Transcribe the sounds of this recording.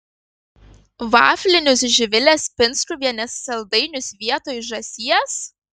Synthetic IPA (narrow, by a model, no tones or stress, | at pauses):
ʋɑ̰ːfʲlʲɪnʲʊsʒʲɪʋʲɪlʲespʲɪnˑsɾuːʋʲiɛnʲɛsːɐlˠd̪ɐɪnʲʊsʋʲiɛt̪oːjʒɐsʲiɛs